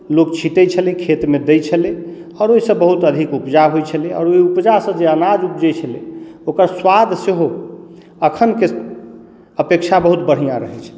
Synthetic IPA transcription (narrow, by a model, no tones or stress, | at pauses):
lok̚t͡ʃʰiʈ̪ɛt͡ʃʰəlɛkʰet̪med̪ɛjt͡ʃʰəlɛ | ɔːɾoisə̃bəɦut̪əd̪ʱikupd͡ʒaɦojt͡ʃʰəleɔ̰ːɾoiupd͡ʒasə̃d͡ʒeənad͡ʒupd͡ʒɛt͡ʃʰəlɛokəɾswad̪ʱseɦo | əkʰənke | əpekt͡ʃʰabəɦut̪̚bəɽ̤ijãɾəɦɛt͡ʃʰ